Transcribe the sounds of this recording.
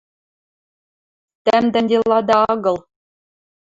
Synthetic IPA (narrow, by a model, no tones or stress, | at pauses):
t̪æmd̪ænʲdʲelˠːɑd̪ɑɑɡɤ̆lˠ